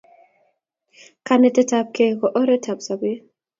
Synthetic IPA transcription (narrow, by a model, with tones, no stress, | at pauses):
ka˨nɛ˨tɛ˦ta˨p̚ke˨kɔ˨ʔɔ˦ɾɛ˦tʰa˨bsa˨be˦